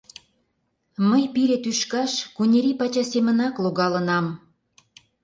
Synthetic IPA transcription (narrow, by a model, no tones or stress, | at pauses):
məjpiɾet̪yʃkɑʃkunʲeɾipɑt͡ɕɑsemə̆nɑkloɣɑlənɑm